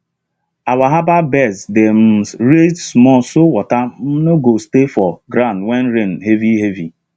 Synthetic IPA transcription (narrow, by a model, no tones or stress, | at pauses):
awaɦababɛsdem̩ɾedsmɔsowɔtam̩noɡostefɔɡɾandwɛn̩ɾen̩ɦeviɦevi